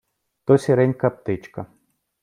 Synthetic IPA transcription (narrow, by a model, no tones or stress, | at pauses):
t̪ɔsʲɛɾɛnʲkɐp̚t̪ɪt͡ʃkɐ